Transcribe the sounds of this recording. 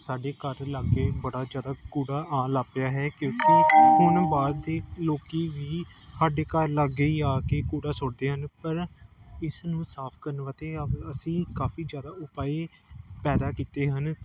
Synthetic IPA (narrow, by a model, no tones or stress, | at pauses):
saːɖeːkəɾlaːɡeːbəɽaːd͡ʒjaːd̪aːkuːɽaːaːlaːpɪjaːɦɛːkjõːkeɦʊɳbaːd̪d̪eːloːkiːʋiː | saːɖeːkəɾləɡiːaːkeːkuːɽaːsʊɽd̪eːɦənpəɾɪsnũːsaːpʰkəɾnʋaːt̪eːəbəsĩːkaːfiːzjaːd̪aːʊpaːeːpɛːd̪aːkiːt̪eːɦən